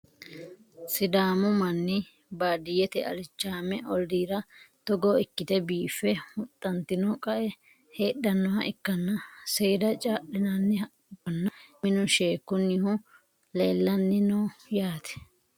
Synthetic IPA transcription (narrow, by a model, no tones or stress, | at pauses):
sɪd̪aːmʊmɐnːɪ | baːd̪ɪjɛt̪ɛɐ̰lɪt͡ʃːaːmɛʔɔld̪iːɾɐt̪ɔɡɔɪkːɪt̪ɛbiːfːɛmʊt̪ʼːɐnt̪ɪnɔkʼɐʔɛ | heːɗɐnːɔhɐʔɪkːɐnːɐseːd̪ɐt͡ʃʼaːɗɪnɐnːɪɐ | bɔnːɐmɪnʊʃe̞ːkːʊnːɪhʊ | leːlːɐnːɪnoːjaːt̪ɛ̥